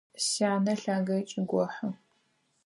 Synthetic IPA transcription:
saːnɐɬaːɡɐt͡ʃʼɪɡʷɔħɐ

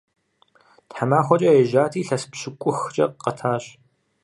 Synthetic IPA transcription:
tħamaːxʷɔt͡ʃʼɐjɛʒaːtʰiːɬɐspɕɪkʷʼʊxt͡ʃʼɐqɐtʰaːɕ

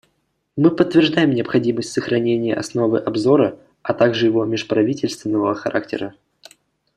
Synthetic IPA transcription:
mɨpət̪ːvʲɪrʐd̪ajɪmnʲɪəpxɐdʲiməsʲtʲsəxɾɐnʲenʲɪjəʔɐsno̞vɨʔɐbzo̞ɾə | ɐt̪aɡʐɨjɪvo̞mʲɪʂpɾɐvʲitʲɪlʲst̪vʲɪnːəvəəxɐɾa̰k̚tʲɪ̰ɾə

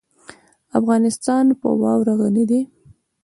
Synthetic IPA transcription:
afɣɑnɪst̪ɑnpə̰wɑ̰wɾaɣanid̪i

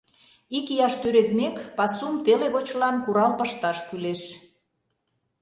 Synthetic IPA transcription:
ikijɑʃt̪øɾet̪̚mekpɑsumt̪eleɣot͡ɕlɑnkuɾɑlpəʃt̪ɑʃkyleʃ

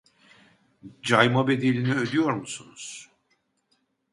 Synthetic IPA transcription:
d͡ʒajmabe̞d̪ilʲiniød̪yjo̞ɾmusunuz̥

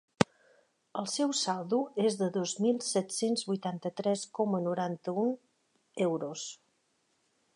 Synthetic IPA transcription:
əlˠsɛwsalˠd̪uezðəðozmilˠsɛt̪senzβujt̪ant̪ət̪ɾɛskɔmənuɾant̪əun | ewɾos

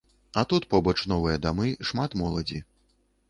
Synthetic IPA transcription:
ɐt̪ut̪pɔbɔt͡ʂnɔvɨjɐd̪amɨʂmat̪mɔlˠɐd͡zʲi

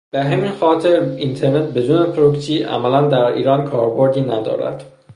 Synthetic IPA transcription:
b̥eɦæmiːnxɒːt̪ʰe̞ɾint̪ʰe̞ɾnet̪̚be̞d̪uːnepʰɾoksiːʔæ̰mælænd̪æɾḭːɾɒːnkʰɒːɾbo̞ɾd̪iːnæd̪ɒ̰ːɾæ̰d̪̥

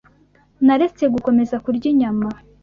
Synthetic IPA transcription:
naɾet͡se̞ɡuko̞me̞zakuɾɟiɲama

